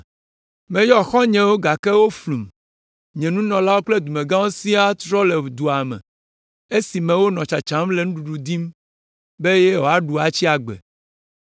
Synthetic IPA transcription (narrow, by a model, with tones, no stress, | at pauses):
mẽ˨jɔ˦xɔ˦ɲɛ̃˨wo˦ɡa˨ke˦wo˦flu˨m | ɲɛ̃˨nũ˦nɔ̃˨la˦wo˦k͡ple˦d̪u˨mẽ˨ɡã˦wo˦si˦a˦t̪ɾɔ˦le˨d̪u˨a˨mɛ̰̃˨ | e˦si˨mɛ̃˨wo˦nɔ̃˨t͡ʃa˨t͡ʃã˨˦mle˨nũ˦ɖu˨ɖu˨d̪i˦m | be˦je˦wo˨˦a˦ɖu˨a˨t͡ɕi˦a˨ɡ͡bɛ̰˨